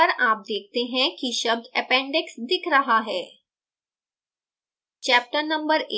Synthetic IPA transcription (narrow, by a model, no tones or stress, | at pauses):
əɾaːp̚d̪ek̚ʰt̪eɦɛ̃kiːɕəb̚d̪ʱɛpɛ̃ɳɖeksd̪ikʰɾəɦaɦɛ | t͡ɕæp̚ʈənəmbəɾe